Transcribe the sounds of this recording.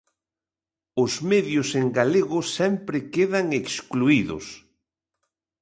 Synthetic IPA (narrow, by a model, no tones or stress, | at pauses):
ʊzmeðjʊseŋɡaleɣʊsɛmpɾɪkeðaŋekskluiðʊ̰s